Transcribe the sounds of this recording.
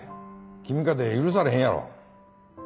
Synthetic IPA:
kimɡad̪eiɾus̬aɾɯɦeɲaɾo̰

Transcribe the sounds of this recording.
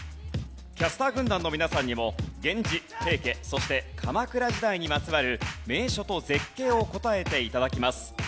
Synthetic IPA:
kʲasɨ̥t̪aːɡɯ̟̃nd̪ãnːo̞mʲinasãɲ̟ːimo̞ɡẽ̞ɲ̟d͡ʑihe̞ːke̞so̞ɕi̥t̪e̞kʰamakɯ̟ɾaʑid̪aiɲ̟imat͡sɨβaɾɯ̟me̞ːɕo̞t̪o̞ze̞kːe̞ːo̞ko̞t̪ae̞t̪e̞it̪ad̪akʲimasɨ̥

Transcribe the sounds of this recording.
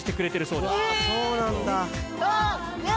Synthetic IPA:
i̥t̪e̞kɯ̟ɾe̞t̪eɾɯ̟so̞ːd̪esoːnãnd̪a

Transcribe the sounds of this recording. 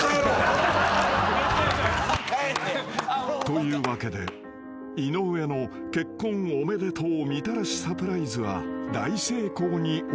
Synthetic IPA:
t̪o̞jɯ̟ːβake̞d̪e̞̰ | ino̞ːjano̞ | ke̞kːõ̞ŋome̞d̪e̞t̪ʰoːmʲit̪aɾaɕi̥sapɯ̟ɾaizɨβa̰d̪aise̞ːko̞ːɲ̟i

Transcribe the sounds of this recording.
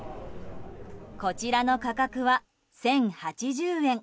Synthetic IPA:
ko̞t͡ɕiɾano̞kakakɯ̟βa | sẽ̞ŋhat͡ɕiʑɨːẽ̞ŋ

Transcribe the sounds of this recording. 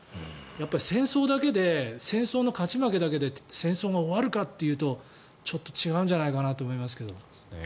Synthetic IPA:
japːaɾʲisẽ̞ɰ̃so̞ːd̪ake̞d̪e̞sẽ̞ɰ̃soːno̞kat͡ɕimake̞d̪ake̞d̪esẽ̞ɰ̃so̞ːɡaoβaɾɯ̟kat̪ːe̞jɯ̟ːt̪o̞ | t͡ɕo̞t̪ːo̞̥t͡ɕiɡaɯ̟ɲd͡ʑanaikanat̪oːmo̞imasɨ̥ke̞d̪o̞̰

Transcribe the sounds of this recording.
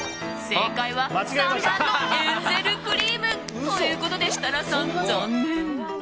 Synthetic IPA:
sẽŋkaiβamat͡ɕiɡaimaɕt̪aneseɾɯ̟kɯ̟ɾʲiːmɯ̟ | t̪ojɯ̟ːko̞t̪o̞d̪e̞ɕi̥t̪aɾasãnzã

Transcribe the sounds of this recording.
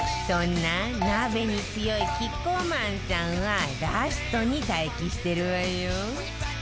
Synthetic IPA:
t̪ɔnanabenipijɔjkikomant͡ʃawaɡast̪ɔnid̪ʱajkist̪eɾuaju

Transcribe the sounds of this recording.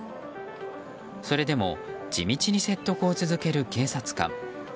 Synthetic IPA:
so̞ɾe̞d̪e̞mo̞̰d͡ʑḭmʲit͡ɕiɲ̟ise̞t̪ːo̞kɯot͡sɨzɨke̞ɾɯ̟ke̞ːsat͡sɨ̥kã̰ŋ

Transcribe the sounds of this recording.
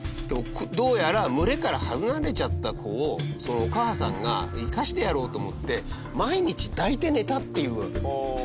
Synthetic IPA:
t̪ekʰd̪o̞ːjaɾamɯ̟ɾe̞kaɾahazɨnaɾe̞t͡ɕat̪ːakʰo̞ːso̞no̞ːkaːsã̰ŋɡa̰ikaɕi̥t̪e̞jaɾo̞ːt̪o̞ːmot̪ːe̞ | maiɲ̟it͡ɕid̪ait̪e̞ne̞t̪at̪ːe̞jɯ̟ːβaked̪esɨ

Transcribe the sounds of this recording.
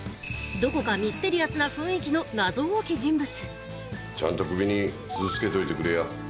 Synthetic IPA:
d̪o̞ko̞kamʲisɨ̥t̪e̞ɾʲijasɨnaɸɯ̟̃ɰ̃ekʲino̞nazo̞ːokʲiʑĩmbɯ̟t͡sɨ̥ | t͡ɕã̰nt̪o̞kɯ̟bʲiɲ̟i | t͡sɨzɨt͡sɨ̥ke̞t̪o̞it̪e̞kɯɾeja

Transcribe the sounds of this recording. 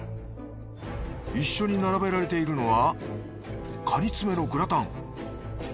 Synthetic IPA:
iɕːo̞ɲ̟inaɾabe̞ɾaɾe̞t̪e̞iɾɯ̟no̞βa | kʰaɾʲit͡sɨme̞no̞ɡɯɾat̪ãŋ

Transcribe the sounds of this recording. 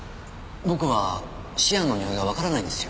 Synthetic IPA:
bo̞kɯ̟βa | ɕiãnːo̞ɲ̟ioɡaβ̞akaɾanaĩnd̪e̞sɨjo

